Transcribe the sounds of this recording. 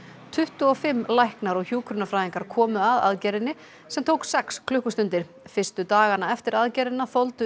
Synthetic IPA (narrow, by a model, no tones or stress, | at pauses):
t̪ʰʏht̪ʏɔfɪmːlajhknaɾɔɣçjuːkʰɾʏnafɾajðiŋkaɾ̥kʰɔːmʏaða̰ðcɛɾɪnːɪ | sɛmt̪ʰowksɛkskʰlʏhkʏst̪ʏnt̪ɪɾ̥ | fɪr̥st̪ʏt̪aːɣanaɛft̪ɪɾaðcɛːɾɪnːaθɔwlt̪ʏ